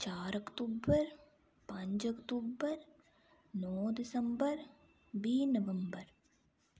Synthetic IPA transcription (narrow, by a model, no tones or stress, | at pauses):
t͡ʃaːɾɐkʈuːbəɾ | pɐ̃ɲt͡ʃɐkʈ̪uːbəɾ | nɔːd̪ɪsə̃mbəɾ | biːnəʋə̃mbəɾ